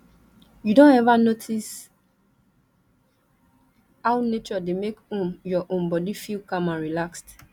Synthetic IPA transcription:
judõnɛvanotʰis | hawnet͡ʃɔdemekõmjɔʔõnbɔdifilkãmãnɹilakst

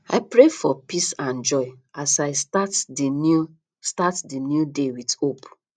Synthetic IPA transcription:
a̰ɪpɹefɔpisãnd͡ʒɔɪasaɪstatdinu | statdinjudewitop

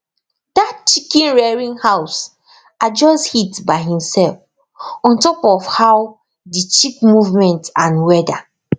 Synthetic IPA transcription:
d̥at̚t͡ʃikĩnɹɛɹĩnhaʊs | ad͡ʒɔshitbaɪhĩmsɛlf | ɔ̃ntɔpɔfhaw | dit͡ʃik̚muvmɛ̃ntãnwɛda

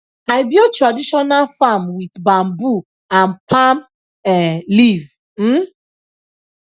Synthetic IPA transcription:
aɪbiotɹadiʃɔnalfamwidbãmbu | ãnpʰãm | ɛliv | m̩

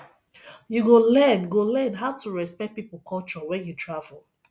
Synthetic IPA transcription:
juɡolɛ̃nɡolɛ̃nɦaʊtuɹɛspɛkt̚pipəkʰɔlt͡ʃɔwɛ̃njutʰɹavəl̩ˠ

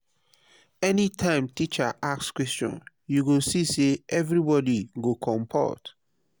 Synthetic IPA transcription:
ɛnitʰãɪ̃mtit͡ʃaʔakskwɛst͡ʃɔ̰̃n | juɡosiseʔɛvɹibɔdiɡokʰɔ̃mpʰa̰t

